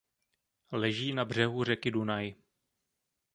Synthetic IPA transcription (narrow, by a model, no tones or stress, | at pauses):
lɛʒiːnabr̝ɛɦur̝ɛkɪdunaj